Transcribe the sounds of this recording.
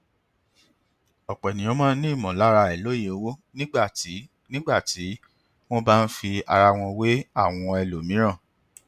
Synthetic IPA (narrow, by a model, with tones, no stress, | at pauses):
ɔ˨k͡pɛ˨nĩ˨ɔ̃˨˦mã˦nĩ˦i˦˨mɔ̃˨la˨˦ɾa˧ɛ˨lo˦je˨o˧wo˦nĩ˦ɡ͡ba˦˨˦ | nĩ˦ɡ͡ba˦˨ti˨˦ | w̃ɔ̃˦ba˦n̩˦fi˧a˧ɾa˧w̃ɔ̃˧we˦a˦˨w̃ɔ̃˧ɛ˧˨lo˨mĩ˨˦ɾ̃ã˦˨